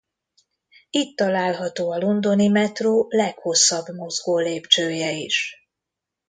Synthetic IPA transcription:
it̪ːɒlaːlɦɒt̪oːɒlond̪o̞nimɛt̪roːlɛkho̞sːɒbmo̞zɡoːleːpt͡ʃøːjɛiʃ

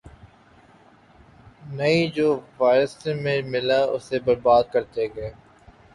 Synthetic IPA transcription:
nɐid͡ʒoːʋaːɪɾəsẽmẽmɪlaʊ̰sebɐɾbaːd̪̚kɐɾt̪eɡɛː

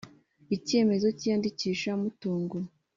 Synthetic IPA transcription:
ice̞ːme̞zo̞cijandiciːʃamutuːŋɡu

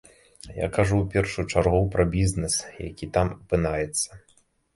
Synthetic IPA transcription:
ja̰kaʐuwpʲɛrʂujut͡ʂarɣuwpɾɐbʲiznɛsja̰kʲit̪amɐpɨnajɛt̪sːɐ̥

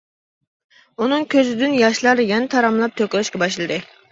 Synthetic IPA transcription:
unɨŋkʲʰøzɪd̪ynjɑʃlˠɑɾd̪ɨjʲɛnɛt̪ʰɑɾɑmlˠɑp̚t̪ʰøkʲlɛʃkʲɛbɑʃlˠɨd̪ɨ

